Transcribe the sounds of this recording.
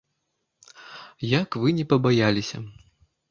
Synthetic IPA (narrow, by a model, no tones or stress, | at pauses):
jakvɨnʲɛpɐbajalʲisʲɐ̰